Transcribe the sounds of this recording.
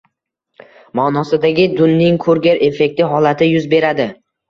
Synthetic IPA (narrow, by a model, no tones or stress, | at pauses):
mɒːnɒsɪd̪aɡʲɪd̪ʊnːɪŋkʰɵɾɡʲaɾe̞fe̞k̚ʲt̪ɪɦɒlat̪ʰɪjʊzbe̞ɾad̪ɪ